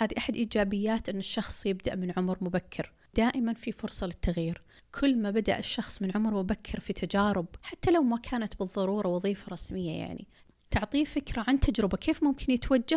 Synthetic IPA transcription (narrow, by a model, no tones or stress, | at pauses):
haːðiʔaħad̪ʔiːd͡ʒaːbɪjːaːt̪ʔɪnːɪʃːɑxsˤjɪbd̪aʔmɪnʕʊmɾmʊbakʰːɪɾ | d̪̥aːʔɪmanfifʊɾsˤɑlɪt̪ːaɣjiːɾ | kʰʊlːmaːbad̪a̰ʔɪʃːɑxsˤmɪnʕʊmɾmʊbakʰːɪɾfit̪ʰad͡ʒaːɾɪbħat̪ːalawmakʰaːnat̪bɨðˤːɑɾˤuːɾˤɑwɑðˤiːfɑɾˤɑsmɪjːaja̰ʕnḭ | t̪ʊʕt̪ˤiːfɪkɾaʕant̪ʰad͡ʒɾɪbakʰeːfmʊmkʰɪnjɪt̪wad͡ʒːa